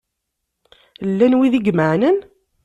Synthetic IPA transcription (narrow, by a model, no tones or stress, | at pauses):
lːænwiðiɡməʕnən